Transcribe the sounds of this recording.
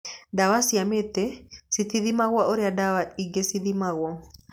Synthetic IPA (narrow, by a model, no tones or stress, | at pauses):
dawasiametɛsitiðimaɣwaoɾeadawaiŋɡesiðimaɣwɔ